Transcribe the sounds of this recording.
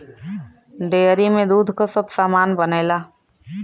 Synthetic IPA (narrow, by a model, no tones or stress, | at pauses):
ɖeːəɾimẽd̪uːd̪ʱkosəbsaːmaːnbəneːlaː